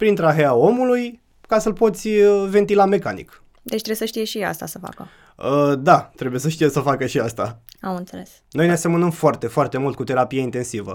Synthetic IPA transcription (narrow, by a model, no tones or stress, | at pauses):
pɾint̪ɾaɦeao̞muluj | kasəlpo̞t̪sʲəve̞nt̪ilame̞kanḭk | d̪et͡ʃt̪ɾebesəʃt̪ijeʃia̰st̪asəfa̰kə̰ | əd̪at̪ɾebujes̬əʃt̪ijesəfakəʃiast̪aamɨnt̪seles | no̞jnease̞mənəmfoart̪e̞foart̪e̞mult̪̚kut̪e̞ɾapijaint̪e̞nsivə̰